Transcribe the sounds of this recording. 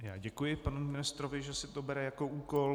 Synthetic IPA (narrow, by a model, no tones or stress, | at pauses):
jaːɟɛkujɪpanumɪnɪst̪ɾovɪʒɛsɪt̪obɛɾɛjakoʔuːkol